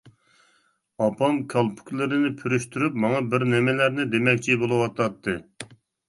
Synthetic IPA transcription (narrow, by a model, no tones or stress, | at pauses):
ɑpʰɑmkʲʰɑlˠpʰu̥kʰʲlˠɨɾɪnɪpʰyɾyʃt̪ʰyɾypmɑŋɑbɪɾnɪmɪlæɾnɪd̪emɛk̚ʲt͡ʃʰibolˠɨwɑt̪ʰɑt̪ʰːɨ